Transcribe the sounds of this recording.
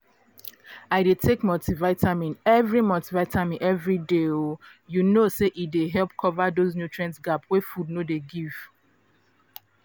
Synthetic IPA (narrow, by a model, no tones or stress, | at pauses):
aɪdetʰekmɔltivaɪtʰamĩnɛvɹimɔltivaɪtʰamĩnʔɛvɹideojunoseʔideɦɛlp̚kʰɔvadoznjutʰɹɛ̃nsɡapwefud̚nodeɡiv̥